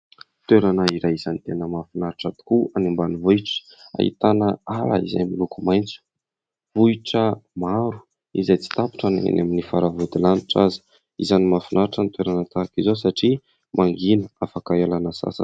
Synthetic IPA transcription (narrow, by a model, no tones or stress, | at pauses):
t̪weɾanəiɾajiz̥anit̪enəmafunaɾiʈ͡ʂat̪u̥kuanimbanivuiʈ͡ʂə̥ | a̰ḭt̪anəaɾa̰ḭza̰jmilukumajnt͡su̥ | vuiʈ͡ʂəmaɾu̥ | izajt͡si̥t̪api̥ʈ͡ʂanḛa̰naminifaɾavud̪ilaniʈ͡ʂazi̥ | izanimafunaɾiʈ͡ʂənit̪weɾanət̪akizos̬aʈ͡ʂi | mʔaŋɡinəafakaalanəsa̰sə̰